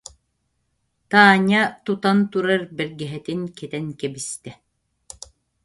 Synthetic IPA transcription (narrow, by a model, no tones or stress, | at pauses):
t̪aːɲat̪ut̪ant̪uɾaɾbɛɾɡɛɦɛt̪inkɛt̪ɛŋkɛbist̪ɛ